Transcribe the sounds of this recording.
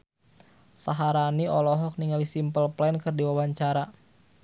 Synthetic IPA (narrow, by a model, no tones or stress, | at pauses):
saɦaɾaniɔlɔɦɔk̚niŋalisimpəlplɛnkɨrdiwawaɲt͡ʃaɾa